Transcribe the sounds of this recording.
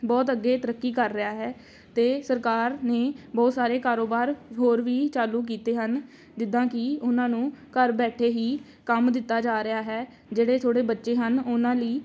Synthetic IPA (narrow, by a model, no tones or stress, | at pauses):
bɔːt̪əɡːeːt̪əɾəkːiːkəɾːɪjaːɦɛː | t̪eːsəɾkaːɾneːbɔːt̪saːɾeːkaːɾoːbaːɾɦoːɾʋiːt͡ʃaːlũːk̬iːt̪eːɦən | d͡ʒɪd̪ãːkɪʊnãːnũːkəɾbɛːʈʰeːɦiː | kəmd̪ɪt̪ːaːd͡ʒaːɾɪjaːɦɛː | d͡ʒeːɽeːt̪ʰoːɽeːbətːʃeːɦənʊnãːliː